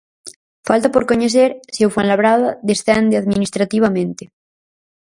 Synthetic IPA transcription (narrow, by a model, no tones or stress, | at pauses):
falt̪apoɾkoɲeθ̬eɾsiewfonlaβɾaðaðesθɛnd̪eaðminist̪ɾat̪iβ̞amẽnt̪e